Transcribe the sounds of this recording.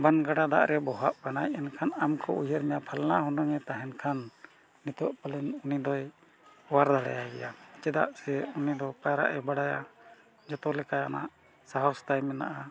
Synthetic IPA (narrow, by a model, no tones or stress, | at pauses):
banɡaɖad̪a̰ʔɾɛbɔɦaʔkanajɛnkʰanamkʰɔujəɾmɛjapʰalnaɦɔnɔŋɛt̪aɦɛnkʰanː | it̪ɔʔpalɛnunid̪ɔj | ɔwaɾd̪aɽa̰jabɛ̰jat͡ʃɛd̪a̰ʔsɛunid̪ɔpaɾa̰ʔɛbaɽaja̰ | d͡ʒɔt̪ɔlɛkajana̰ʔ | saɦɔst̪ajmɛna̰ʔa